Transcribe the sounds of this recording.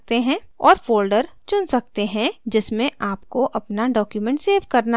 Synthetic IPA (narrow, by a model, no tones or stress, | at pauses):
t̪eɦɛ̃ːɔːɾfoːlɖəɾt͡ʃʊnsɐk̚t̪eɦɛ̃d͡ʒɪsmẽʔaːpkoʔɐpnaɖɔːkjumɛ̃ɳʈseːʋkɐɾna